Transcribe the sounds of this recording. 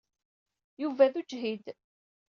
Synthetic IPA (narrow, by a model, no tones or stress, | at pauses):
juvæðud͡ʒɦid̪